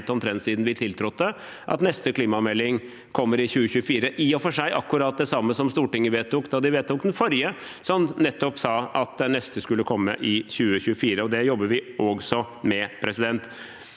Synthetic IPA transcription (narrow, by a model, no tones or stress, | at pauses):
t̪ɔmt̪ʰɾɛnt̪siːd̪nʋɪt̪ʰɪlt̪ʰɾʊt̪ːə | ʔɑ̰t̪nɛst̪əkʰliːmɑmɛlːɪŋ | kʰɔmːəɾɪçʉːəçʉːəfiːɾəʔɪɔfɔʂæɪʔɑkːʉɾɑːt̪̚d̪ɛsɑmːəsɔmst̪uːʈɪŋːəʋeːt̪ːuːkd̪ɑd̪ɪʋeːt̪ːuːkd̪ɛnfɔɾjə | sɔmnɛt̪ːɔpsɑːɑt̪̚d̪ɛnːɛst̪əskʉlːəkʰɔmːə̰ʔɪçʉːəɕʉəfiːɾəɔd̪ɛjɔbːəʋɪʔɔɡsɔ | mɛpʰɾɛsɪd̪ɛnt̪